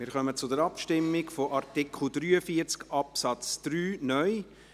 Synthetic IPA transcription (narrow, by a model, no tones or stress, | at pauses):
mɪːɾχœmət͡sʊd̪əɾɑpʃtɪmːɪɡfoʔɑɾtɪkʰl̩d̪ɾyːəfiəɾt͡skɑpsɑt͡sd̪̥ɾyːnœʏ